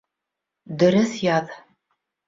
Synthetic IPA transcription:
d̪ɵ̆ɾɵθjɑð

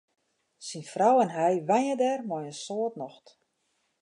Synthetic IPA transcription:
sinfrawɛnɦɛjʋajədɛrmɔjənsoətnɔxt

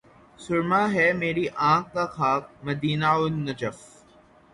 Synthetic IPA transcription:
sʊɾmaːɦɛːmeːɾiʔãːkːaxaːk̚mɐd̪iːnaʊnːɐd͡ʒəf

